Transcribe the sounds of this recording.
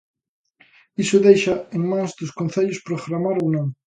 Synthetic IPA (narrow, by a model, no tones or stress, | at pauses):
isʊðejʃɐeŋmãŋzd̪ʊskõn̟θeʎʊspɾoɣɾamaɾownõŋ